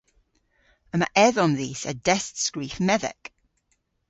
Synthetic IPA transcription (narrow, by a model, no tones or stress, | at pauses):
əma̰ʔɛðɔnðiːsədɛstskɹiːθmɛðɛ̰k